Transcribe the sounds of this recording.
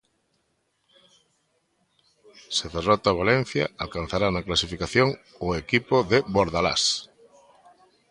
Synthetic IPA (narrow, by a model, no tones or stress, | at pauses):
sɪðerɔt̪aβalen̟θjɐ̰alkan̟θaɾanaklasifikaθjoŋ | ʊekipoðɪβoɾðala̰s